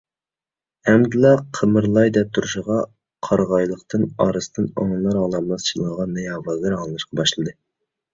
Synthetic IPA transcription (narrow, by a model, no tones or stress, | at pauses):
hɛmd̪ɨlˠɑqʰəmɨɾlˠɑjd̪ɛp̚t̪ʰuɾuʃəʁɑ | qʰɑɾʁɑjlˠəqt̪ʰɨnɑ̰ɾɨst̪ɨnɑŋlˠɑɾɑlˠɑmlˠɑst͡ʃilˠɑʁɑnːɨjɑːvɑɡɨɾɑŋlˠɨnɨʃqʰɑbɑʃlˠɨd̪ɨ